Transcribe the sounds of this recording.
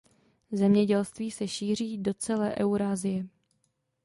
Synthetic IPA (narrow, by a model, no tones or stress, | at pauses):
zɛmɲɛɟɛlst̪viːsɛʃiːr̝iːdo̞t͡sɛlɛːʔɛwuɾaːzɪjɛ